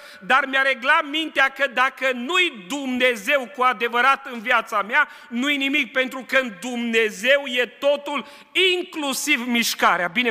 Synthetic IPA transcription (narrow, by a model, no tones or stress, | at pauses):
d̪armeaɾe̞ɡlamint̪eakəd̪akənujd̪umneze̞wkuad̪e̞vəɾat̪ɨnviat̪samea | nujenimik̚pe̞nt̪ɾukəɨnd̪umne̞ze̞wje̞t̪o̞t̪ul | iŋklusivmiʃkaɾeabine